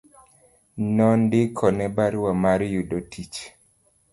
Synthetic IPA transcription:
nɔndɪkʰɔnɛbaɾwamaɾjudotʰit͡ʃ

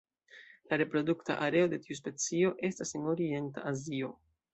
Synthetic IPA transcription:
laɾe̞pɾo̞dukta̰ʔaɾe̞o̞de̞tius̬pe̞t͡sio̞ʔe̞staseno̞ɾie̞nta̰ʔazio̞

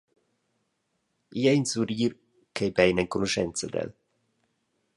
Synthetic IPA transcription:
iɛinsuɾiːɾ | kejbɛjnɛŋkunoʃɛnt̪sad̪ɛ̰l

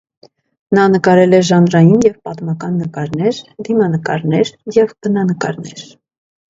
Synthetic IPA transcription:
nɑnəkɑɾɛlɛʒɑnɾɑjinjɛvpɑt̪mɑkɑnːəkɑɾnɛɾd̪imɑnəkɑɾnɛɾjɛvb̥ənɑnəkɑɾnɛɾ

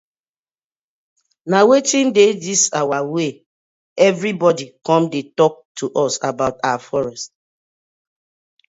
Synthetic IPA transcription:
nawetĩndedisawawe | ɛvɹibɔdikɔ̃mdetɔk̚tʰuʔɔsa̰baʊtawafɔɹɛst̚

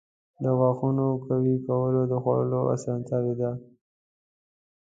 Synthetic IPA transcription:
d̪əɣwɑxunokawikawəlod̪əxa̰əloʔa̰sɑnt̪jɑwed̪a

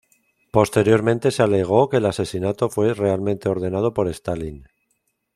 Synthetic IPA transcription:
po̞st̪e̞ɾjo̞ɾmẽ̞nt̪e̞seale̞ɣ̞o̞ke̞ːlase̞sinat̪o̞fwe̞re̞almẽnt̪e̞o̞ɾðe̞nað̞o̞po̞ɾe̞st̪alin

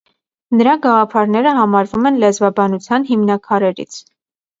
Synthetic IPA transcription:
nəɾɑɡɑʁɑpʰɑɾnɛɾəɦɑmɑɾvumɛnlɛzvɑbɑnut͡sʰjɑnɦimnɑkʰɑɾɛɾḭt͡sʰ

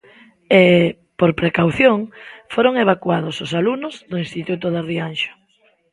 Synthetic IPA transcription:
e | poɾpɾekawθjoŋfoɾoŋeβ̞akwaðosʊsalunʊzðoĩnst̪it̪ut̪ʊðarianʃḁ

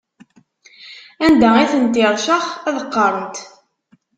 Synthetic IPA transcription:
ænd̪æiθənt̪iðˤʃəχæðəqːɑɾˤənt̪

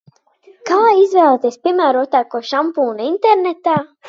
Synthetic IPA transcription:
kaːizvɛːlˠɛt̪ʲiːspʲiɛmæːɾut̪aːkuɔʃampuːnint̪ɛɾnɛt̪aː

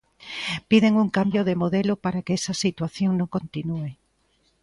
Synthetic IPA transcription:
piðeŋuŋkambjoðemoðɛlopaɾakeɛsɐsit̪waθjoŋnõŋkont̪inue

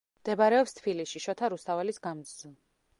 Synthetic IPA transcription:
md̪̥ɛbaɾɛɔpst̪ʰbilisʃiʃɔt̪ʰaɾust̪ʰavɛlisɡamd̪zzi

